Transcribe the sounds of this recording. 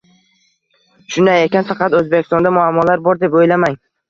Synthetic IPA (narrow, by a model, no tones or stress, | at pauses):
ʃʊnajekʲanfɑqɑt̪ɵzbekʲɪ̥st̪ɒnd̪amʊamːɒlaɾbɒɾd̪e̞pojlamaŋ